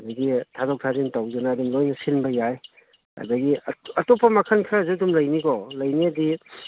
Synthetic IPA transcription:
ɐdɐɡitʰazɔk̚tʰazintawzɐnaːdumlojnɐsinbɐjaj | ɐ̰dɐɡiɐtɔpɐmakʰɐnkʰɾazedumlɐjnikɔlɐjniɐdi

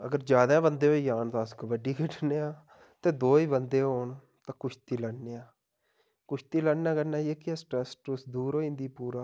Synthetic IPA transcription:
ə̰ɡəɾd͡ʒjaːd̪ãːbənd̪eːɦoːiːjaːnt̪ãskʋəɖiːkʰɪʈʰneːaː | t̪eːd̪oːiːbənd̪eːɦoːɳ | t̪ãːkʊt͡ʃʰt̪iːləneːaː | kʊt͡ʃʰt̪iːlənnãːkəɾnaːieːkɪasʈɾɛsʈusd̪uːɾoːĩːnd̪iːpuːɾaː

